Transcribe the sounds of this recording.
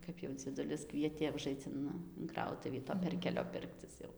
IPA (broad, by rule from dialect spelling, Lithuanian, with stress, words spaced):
ˈkɐp jɛʊ d͡zʲiɛˈdʊlʲɪs ˈkʋʲiɛtʲeː ʊˈʒɐɪt͡s ɪn ɪn ˈkrɐʊtʊʋʲiː toː ˈpʲɛrʲkʲɛlʲoː ˈpʲɪrkt͡sʲɪs jɛʊ